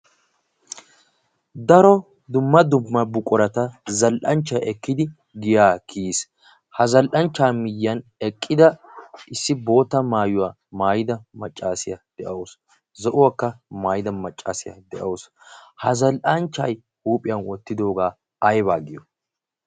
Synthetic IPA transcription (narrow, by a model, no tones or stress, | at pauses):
d̪ɐɾɔ | d̪ʊmːɐd̪ʊmːɐbʊkʼɔɾɐt̪ɐzɐlʔɐnt͡ʃːɐjɛkːɪd̪ɪ | ɡɪjaːkʰiːs | hɐzɐlʔɐnt͡ʃːaːmɪjːɐnɛkʼːɪd̪ɐʔɪsːɪbo̞ːt̪ːɐmaːjʊwaː | maːjɪd̪ɐmɐt͡ʃʼːaːsɪjɐd̪̥ɛʔɐws | zɔʔʊwakːɐmaːjɪd̪ɐmɐt͡ʃʼːa̰ːsɪjɐ̰d̪ɛʔɐws | hɐzɐlʔɐnt͡ʃːɐj | huːpʼɪjɐnwɔt̪ːɪd̪o̞ːɡaː | ɐjbaːɡɪjɔ